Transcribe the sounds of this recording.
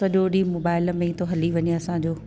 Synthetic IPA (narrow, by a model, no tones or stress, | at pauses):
ɐʄoːɗimoːbaːɪlmẽĩt̪ʰoɦɐliʋɐɲiɐsãd͡ʑoː